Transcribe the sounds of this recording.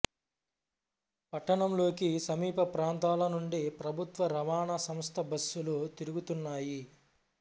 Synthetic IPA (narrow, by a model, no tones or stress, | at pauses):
pɐʈːɐɳɐmlo̞ːkisɐmiːpɐpɾaːnt̪aːlɐnuɳɖipɾɐbʱut̪ʋɐɾɐʋaːɳɐsɐmst̪ʰɐbʱɐsːulut̪iɾuɡut̪unːaːji